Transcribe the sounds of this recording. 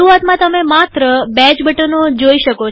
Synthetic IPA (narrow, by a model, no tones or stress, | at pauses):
uʋat̪mãt̪əmemat̪ɾəbɛ̃d͡ʒbəʈənod͡ʒoiʃəko